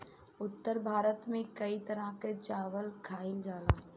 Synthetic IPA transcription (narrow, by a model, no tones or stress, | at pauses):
ʊt̪ːəɾbʱaːɾət̪mẽkɐit̪əɾaket͡ʃaːʋəlkʰaːɪld͡ʒaːlaː